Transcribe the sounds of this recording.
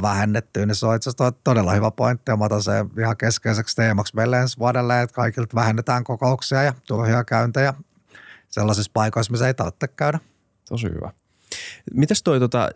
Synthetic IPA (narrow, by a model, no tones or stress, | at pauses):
ʋæhenːet̪ːyːnisoet̪sæst̪ot̪odelːɑhyʋæpoint̪ːiɑmɑt̪ɑsḛːihɑkeskeisekst̪eːmɑksmeilːensʋuɑdelːeet̪kɑikilt̪ʋæhenːet̪æːŋkokouksiɑjɑt̪urhiɑkæynt̪æjɑ | selːɑsispɑikoismiseit̪ɑrt̪ːekkæynæ | t̪osḭhy̰ʋæ̰ | mit̪æst̪oit̪ot̪ɑ̰